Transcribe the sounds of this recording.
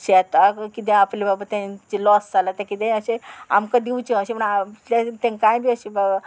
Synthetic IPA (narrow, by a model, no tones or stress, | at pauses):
ɕɛt̪akit̪ẽaplebabat̪ãt͡ɕilɔsd͡zalat̪ẽkit̪ẽəɕea̰mkad̪iwt͡ɕiəɕepəɳalat̪ẽkãjbʱiːəɕebaba